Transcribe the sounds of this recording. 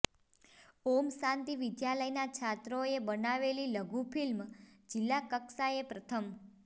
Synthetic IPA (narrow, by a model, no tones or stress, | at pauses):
omsãnt̪iʋid̪jaləjnat͡ʃʰat̪ɾoebənaʋeliləɡupʰilmd͡ʒilːakəksaepɾət̪ʰəm